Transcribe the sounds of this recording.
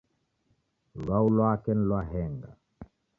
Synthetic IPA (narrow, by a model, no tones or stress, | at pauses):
lwaulwakɛnlwaɦɛŋɡa